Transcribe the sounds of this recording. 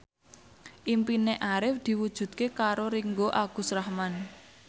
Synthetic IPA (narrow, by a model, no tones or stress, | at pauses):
ʔimpineʔaɾɪfd̪̥i̤wud̥ʒ̥ṳd̪̥̚kekaɾoɾiŋɡoʔaɡ̥ṳsrahman